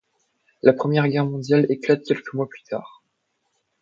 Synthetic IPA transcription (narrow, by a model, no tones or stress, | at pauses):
lapχəmjɛʁɡʲɛʁmɔ̃d̪jaleklat̪̚kʲɛlkəmwaplyt̪ʰa̰ːʁ